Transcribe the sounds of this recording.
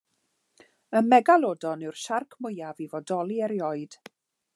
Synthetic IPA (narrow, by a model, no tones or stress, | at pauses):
ənmɛɡalˠoːdɔnɨwrʃarkʰmʊjavivɔdɔlˠiɛɾjɔɨd̥